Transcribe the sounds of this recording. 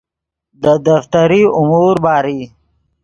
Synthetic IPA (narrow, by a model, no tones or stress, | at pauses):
d̪əd̪aft̪aɾiʊmuːɾbɑːɾi